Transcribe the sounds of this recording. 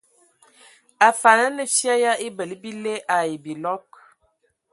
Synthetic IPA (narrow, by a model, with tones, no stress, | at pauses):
a˨fa˨nə˦nə˨sja˦ja˦e˦bə˨li˦bi˦le˦ʔa˨je˨bi˨lɔ˦k̚